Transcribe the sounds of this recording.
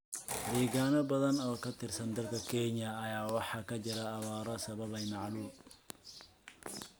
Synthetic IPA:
dɛːɣaːnɔbɐðɐnɔːkʰɐt̪ʰɪrsɐnd̪ɐlkʰɐkʰɛːɲɐːjaːwɑħɑːkʰɐt͡ʃɪɾɐɐβaːɾɔsɐβɐβɐjmɑʕluːm

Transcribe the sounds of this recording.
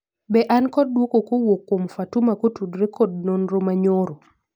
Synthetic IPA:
bɛʔankɔd̚dwokokowokːomfatumakotudɾekɔd̚nonɾomaɲoɾo

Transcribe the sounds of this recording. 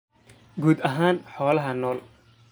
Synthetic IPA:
ɡuːd̪ɐɦaːnħɔːlɐɦɐnɔːl

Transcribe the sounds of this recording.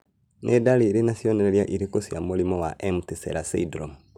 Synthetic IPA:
nʔedaliːɾinasjɔnɛɾɛɾjaʔiɾikosjamulimɔwaʔɛmtisɛ̰ɾasḭdɾom

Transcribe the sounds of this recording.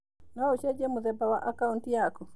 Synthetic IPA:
nauʃɛd͡ʒɛmuðɛbawaʔakauntijakɔ

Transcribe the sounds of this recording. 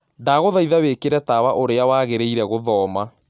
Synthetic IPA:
daːɣoðaiðawekeɾɛtawaʔoɾeawaɣeɾeiɾɛɣoðɔːma

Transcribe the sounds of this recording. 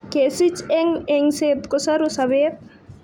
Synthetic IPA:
kesit͡ʃeŋeŋset̪kosɐɾusɐʋeːt̪̚

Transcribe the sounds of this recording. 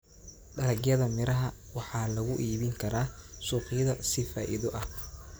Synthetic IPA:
ɖɐlɐɡjɐðɐmɪɾɐɦɐwɑħɑːlɐɣʊʔiːβɪŋkʰɐɾaːsuːqɪjɐðɐsɪfa̰ːʔɪ̰ðɔʔɐh

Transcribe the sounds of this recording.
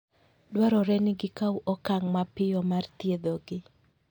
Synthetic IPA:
dwaɾɔɾɛnɪɡɪkauʔɔkaŋmapɪjɔmart̪jed̪ɔɡɪ

